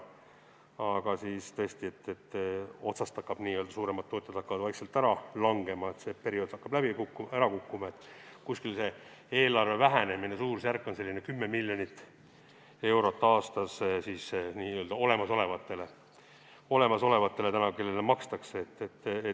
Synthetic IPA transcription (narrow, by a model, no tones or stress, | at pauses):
ɑɡ̥ɑsist̪ɤesʲt̪iet̪ːet̪ːo̞t̪sɑst̪ɑkːɑb̥niːøld̪̥ɑsuːɾe̞mɑt̪ːoːt̪ʲːjɑd̪̥ɑkːɑvɑd̪̥vɑjkselt̪æɾɑlɑŋɡ̥e̞mɑet̪se̞pe̞ɾio̞d̪̥ɑkːɑb̥læb̥ikukːuæɾɑkukːumɑe̞t̪ːˑkuskilse̞ | e̞ːlɑrve̞væɦæne̞minesuːrsjærkːo̞nse̞lʲːinekymːemilʲjonit̪ːˑ | e̞wɾo̞t̪ːɑːst̪ɑssiːsniːø̞ld̪ɑo̞le̞mɑso̞le̞vɑt̪ːe̞le̞ | o̞le̞mɑso̞le̞vɑt̪ːe̞let̪ænɑke̞lːelemɑkst̪ɑkseet̪ːet̪ːe